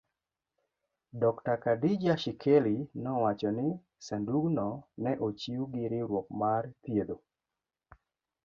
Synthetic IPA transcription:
dɔktakadid͡ʒaʃikʰelinɔwat͡ʃɔnɪ | sanduɡnɔnɛʔot͡ʃiuɡɪɾɪɾwɔk̚mart̪jed̪o

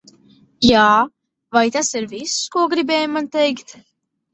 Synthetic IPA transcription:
jaː | vajt̪asiɾviskuɔɡɾibɛːjumant̪ɛjkt̪

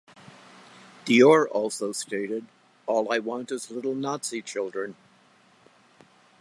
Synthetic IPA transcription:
ðiɔɹʔɔlˠsoʊsteɪɾɪɾ | ɔlˠaɪwɑ̃ntɨzlɪɾl̩ˠnɑtsit͡ʃʰɪlˠdɹɨ̃n

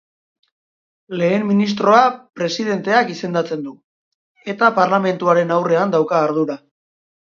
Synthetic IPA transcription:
le̞ːmːinis̬t̪ɾo̞apɾe̞siðe̞nt̪e̞akise̞nd̪at͡se̞nd̪u | e̞t̪apaɾlame̞nt̪uaɾe̞nawre̞and̪awkaːɾðuɾa

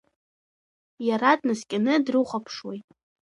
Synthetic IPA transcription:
jaradnɨskʲʼanɨdrɨχʷapʰʂwejtʼ

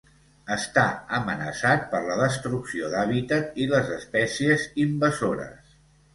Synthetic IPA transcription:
əst̪aəmənəsat̪̚pəɾləðəst̪ɾuksioðaβit̪ət̪iləzəspɛsiəzimbəzoɾə̰s

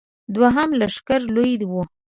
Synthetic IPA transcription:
d̪waɦamlaʂkaɾlojd̪wu

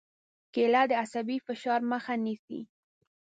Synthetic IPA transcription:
kelɑd̪əasabifɪʃɑɾməxanisḭ

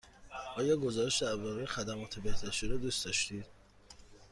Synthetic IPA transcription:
ɒːjɒːɡozɒːɾeʃd̪æbɔɾixæd̪æmɒːt̪ʰebeht̪æɾʃiɾɔd̪ust̪ɒʃt̪iːd̪̥

